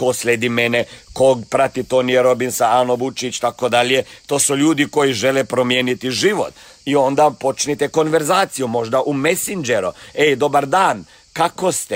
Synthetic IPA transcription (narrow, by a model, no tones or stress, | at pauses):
kosʎʲed̪imenekoɡpɾat̪it̪onijeɾo̞binsaanoʋut͡ʃit͡ʃt̪akod̪aʎjet̪o̞ːsuʎuːd̪iko̞jiʒelepɾo̞mjenit̪iʒiʋo̰t̪ | io̞nd̪apo̞t͡ʃnit̪eko̞nʋe̞ɾzaːt̪sijumo̞ʒd̪aʔumesind͡ʒeɾued̪o̞baɾd̪aːn | kakost̪e